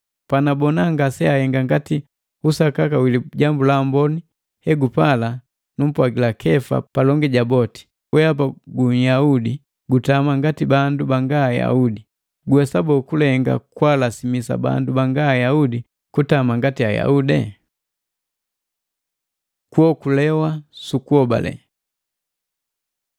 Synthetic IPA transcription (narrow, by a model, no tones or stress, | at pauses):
panabɔnaŋɡasɛahɛŋɡaŋɡati | usakakawiliɟambulambɔni | hɛɡupala | num̩pwaɡilakʰɛfa̰palɔŋɡɛɟabɔti̥ | wɛap̬aɡuɲjaudi | ɡutamaŋɡatibandubaŋɡaja̰udi | ɡwɛsabɔkulɛŋɡa̰kwalasimisa̰ba̰ndubaŋɡaːjaudi | kutamaŋɡatiaja̰udɛ̰ | kwɔkulɛwasukuɔba̰lɛ̰